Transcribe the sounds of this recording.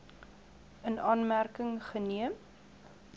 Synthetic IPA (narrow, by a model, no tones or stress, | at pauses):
ənɑːnmærkəŋχəniəm